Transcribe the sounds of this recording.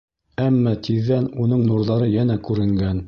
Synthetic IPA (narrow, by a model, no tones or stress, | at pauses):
æmːɑt̪ʰiðːænunɤɴnuɾðɑɾɤjænækʉɾɘ̆ŋɡæn